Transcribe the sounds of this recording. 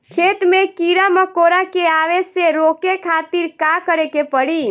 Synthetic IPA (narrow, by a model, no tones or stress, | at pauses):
kʰeːt̪mẽkiɾaməkoːɾakeaːʋeseɾoːkekʰaːt̪iɾkakəɾekepəɽiː